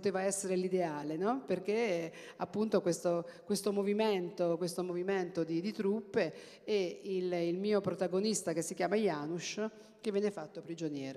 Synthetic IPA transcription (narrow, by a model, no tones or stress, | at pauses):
ppot̪eːvaɛsːeɾelid̪eaːlenɔperk̟e | apːunt̪okwest̪okwest̪omoviment̪okwest̪omoviment̪od̪id̪it̪ɾupːe | ɛililmiːopɾot̪aɡonist̪akesːikjaːmajaːnuʃ | k̟evːɛːnːefat̪ːopɾid͡ʒonjɛːɾo